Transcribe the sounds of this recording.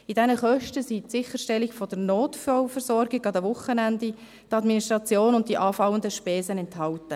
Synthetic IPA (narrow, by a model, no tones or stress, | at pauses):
idɛnəχœʃtəsitsɪχəʃtɛliɡfɔd̥əɾnoːtfɔwfəɾsɔrɡɪɡɑdəʋʊχːənændi | tɑdminiʃtɾɑt͡sjoːnʊnt̚d̥iʔɑːfɑwəndəʃpɛːzənɛnthɑltə